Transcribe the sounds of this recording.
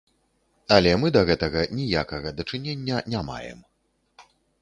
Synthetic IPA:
ɐlʲɛmɨd̪ɐɣɛt̪ɐɣɐnʲijakɐɣɐd̪ɐt͡ʂɨnʲenʲːɐnʲama̰jɛ̰m

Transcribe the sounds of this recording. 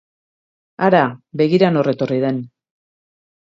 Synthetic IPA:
aɾabe̞ɣiɾano̞re̞t̪o̞riðe̞n

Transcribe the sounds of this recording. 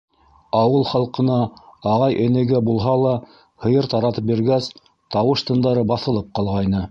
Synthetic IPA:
ɑwɤlˠχɑlˠqɤ̆nɑɑʁɑjʔɘ̆nɘ̆ɡæbulˠɦɑlˠɑ | hɤ̆jɤɾt̪ɑɾɑt̪ɤp̚biɾɡæs | t̪ɑwɤʃt̪ɤ̆nd̪ɑɾɤbɑθɤ̆lˠɤp̚qɑlˠʁɑjnɤ

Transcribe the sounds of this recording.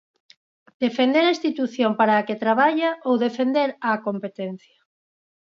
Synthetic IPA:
d̪̥efend̪eɾaĩst̪it̪uθjompaɾaːket̪ɾaβaʎaʔowðefend̪eɾakompet̪ɛn̟θjɐ

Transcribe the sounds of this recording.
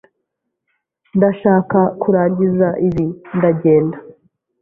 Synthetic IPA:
ndaʃaːkakuɾaːɲɟizaʔiβindaɟe̞ːnda

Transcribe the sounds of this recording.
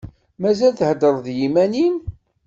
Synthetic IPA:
mæzælθhəd̪əɾˤðjimænin

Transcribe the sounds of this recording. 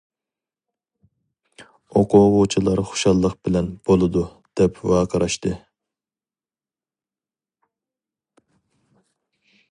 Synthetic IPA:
oqʰʊʁʊt͡ʃʰilˠɑɾχo̥ʃɑlˠːəqb̥ɪlɛnb̥olˠɨd̪u | d̪̥ɛpwɑːqʰəɾɑʃt̪ɨ

